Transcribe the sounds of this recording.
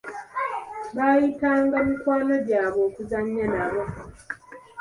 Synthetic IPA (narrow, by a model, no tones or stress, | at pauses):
βaːjitaːŋɡamikwaːnoɟaːβo̞ːkuzaɲːanaβo̞